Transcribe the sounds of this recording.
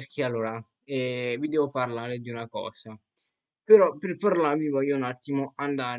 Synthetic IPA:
rkʰealːoːɾa | ɛvid̪ɛːvoparlaːɾed̪iunakɔ̰ːsa | peɾɔpːerparlavivɔjːounat̪ːimoand̪aːɾ

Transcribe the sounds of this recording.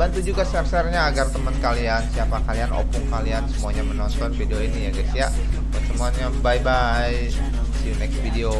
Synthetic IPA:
bant̪ud͡ʒuɡasɛrsɛrɲaːɡart̪əmənkaliansiapakaliano̰pʊŋkaliansəmuaɲamənɔnt̪ɔnfideoinijaɡɛsiaʔ | bənstəmuanɲabaiba | j | siunɛksfideo

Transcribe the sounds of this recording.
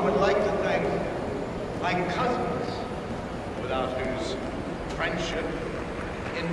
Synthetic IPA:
wɨdˡlaɪk̚tʰɨθæ̃ŋk | maɪkʰʌzz̥ | wɨθaʊt̚hʉz̥ | fɹɛ̃nd̥ʃɪp | ɨ̃n

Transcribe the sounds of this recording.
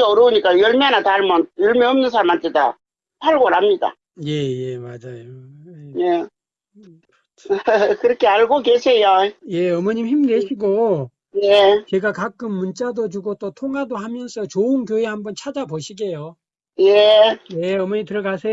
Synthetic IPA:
ʌɾɯuɲik͈ajʌɭmeanataɭmʌnjʌɭmeʌmnɯnsʰaɾamantʰeda̰ | tʰaɭɡoɾamɲida̰ | je̞jemad͡ʑajoje | kɯɾʌkʰeaɭɡokesʰe̞joje̞ʌmʌɲimçimdeɕʰiɡo | jet͡ɕe̞ɡakak͈ɯmːunt͡ɕ͈adot͡ɕuɡot͈otʰoŋadohamjʌnsʰʌt͡ɕoɯnkjoe̞hambʌnt͡ɕʰad͡ʑaboɕʰiɡe̞jo | jejeʌmʌɲimtɯɾʌɡasʰe

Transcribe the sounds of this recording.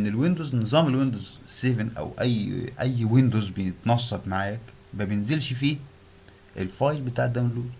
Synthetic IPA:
ʔenːelwend̪oːznezˤɑːmelwend̪ozsevenʔæ̰wʔæjːʔæjːwend̪ozbejet̪nɑsˤːɑb̪maʕaːjæk | bæbjenzelʃfiː | ʔelfɑːjlbet̪aːʕd̪æːmelluːzˤ

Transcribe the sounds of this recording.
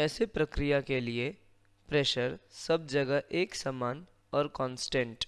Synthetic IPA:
ɛːsepɾɐkɾijakelie | pɾɛːʃəɾsɐb̚d͡ʒɐɡəʔeːksamaːn | ɔːɾkɔ̃ːnsʈẽɳʈ

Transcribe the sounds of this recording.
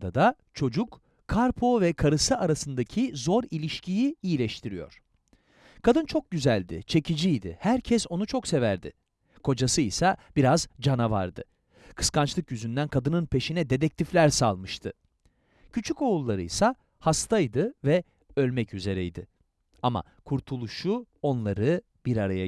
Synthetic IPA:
d̪ad̪a | t͡ʃʰo̞d͡ʒuk | kʰːaɾpʰo̞vɛkʰaɾɯsɯaɾasɯnd̪acʰizo̞ɾilʲiʃcijiijilʲɛʃt̪ʰiɾijo̞̰ɾ̥ | kʰad̪ɯnt͡ʃʰo̞k̚ɟyzælʲd̪ɪ̰t͡ʃʰe̞cid͡ʒijd̪ɪ̰hæɾcʰɛso̞nut͡ʃʰo̞kse̞væɾd̪ɪ̰ | kʰo̞d͡ʒasɯisab̥iɾazd͡ʒanava̰ɾd̪ɯ | kʰɯ̥skant͡ʃlˠɯkjyzynd̪ænkʰad̪ɯnɯnpʰe̞ʃinɛd̪e̞d̪ɛc̚t̪ʰiflʲæɾsalˠmɯʃt̪ʰɯ | cʰyt͡ʃʰyko̞ːulˠːaɾɯ̰jsa | hast̪ʰajd̪ɯvɛ | ø̞lʲmɛcyze̞ɾɛjd̪ɪ | ama̰ | kʰuɾt̪ʰulˠuʃu | o̞nlˠaɾɯ | b̥iɾaɾaja

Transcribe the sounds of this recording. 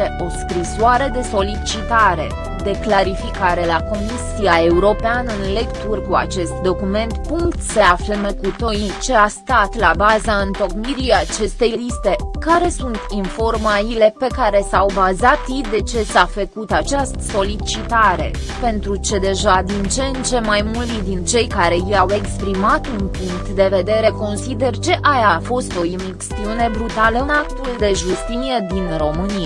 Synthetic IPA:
eʔo̞skɾisoaɾe̞d̪e̞so̞lit͡ʃit̪aɾe̞ | d̪e̞klaɾifikaɾe̞lako̞misiae̞uɾo̞peanɨnle̞kt̪urkua̰t͡ʃe̞st̪d̪o̞kume̞nt̪puŋkt̪seaflemekut̪ojit͡ʃe̞ast̪at̪labazaɨnt̪o̞kmiɾijat͡ʃe̞st̪e̞jlist̪e̞kaɾe̞sunt̪ʰinfo̞rmaile̞pe̞kaɾe̞sawbazat̪jid̪e̞t͡ʃe̞safəkut̪at͡ʃast̪ə̥so̞lit͡ʃit̪aɾe̞̰ | pe̞nt̪ɾut͡ʃe̞d̪e̞ʒad̪int͡ʃent͡ʃe̞majmult̪id̪int͡ʃe̞jkaɾe̞jiawe̞kspɾimat̪unpuŋk̚t̪d̪e̞ve̞d̪e̞ɾe̞ko̞nsid̪e̞rt͡ʃe̞ʔajafo̞st̪o̞imiksiune̞bɾut̪alənak̚t̪uld̪e̞ʒust̪inie̞d̪inro̞mɨnia

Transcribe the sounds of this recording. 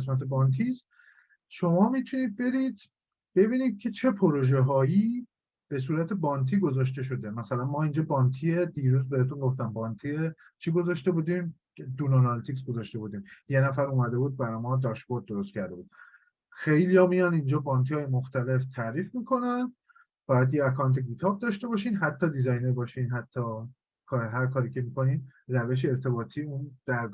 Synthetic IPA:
es̬mæt̪ʰebɒːnt̪ʰist̪ | ʃo̞mɒːmit̪ʰuniːd̪̚be̞ɾiːd̪̥ | b̥e̞biːniːd̪̥̚cʰe̞t͡ʃʰe̞pʰoɾoʒeɦɒːji | b̥e̞s̬uːɾæt̪ʰe̞bɒːnt̪ʰiːɡo̞zɒːʃ̬t̪e̞ʃo̞d̪e̞mæsælænmɒːind͡ʒɒːbɒːnt̪ʰied̪iːɾuːzbe̞het̪uŋɡoft̪æmbɒːnt̪ʰie | t͡ʃʰiɡo̞zɒʃt̪e̞buːd̪im | d̪unonɑlt̪ʰiks̬ɡo̞zɒʃt̪e̞buːd̪iːmjenæfæɾumæd̪e̞buːd̪̚bæɾɒjmɒd̪ɒʃboɾd̪̚ːo̞ɾost̪cʰæɾd̪e̞buːd̪̥̚ | xejlijɒːmijɒnind͡ʒɒːbɒːnt̪ʰijɒːjemoxt̪æle̞ft̪ʰæɾiːfmikʰo̞næn | b̥ɒjæd̪jeækʰɒːnt̪ʰeɡit̪ʰɒb̚d̪ɒʃt̪e̞bɒʃiːnɦæt̪ʰːɒːd̪izɒjneɾbɒːʃinɦæt̪ʰːɒː | kʰɒɾɦæɾkʰɒːɾiːcʰe̞mikʰo̞niːnræveʃ̬eeɾt̪ʰe̞bɒːt̪ʰiːund̪̥æɾɡ

